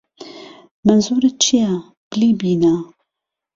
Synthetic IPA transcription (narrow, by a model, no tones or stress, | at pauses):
manzuːɾɨt͡ʃʰija | b̥liːbiːna